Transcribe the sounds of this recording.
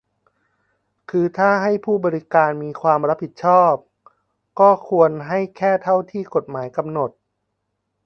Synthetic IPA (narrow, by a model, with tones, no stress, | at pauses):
kʰɯː˧t̪ʰaː˥˩ɦa˥˩jpʰuː˥˩bɔː˧ɾi˦˥kaː˧nmiː˧kʰwaː˧mɾa˦˥p̚ʰi˨˩t̪̚t͡ɕʰɔː˥˩p̚ | kɔː˥˩kʰu˧ənɦa˥˩jkʰɛː˥˩t̪ʰa˥˩wt̪ʰiː˥˩ko˨˩t̪̚maː˩˦jka˧mno˨˩t̪̚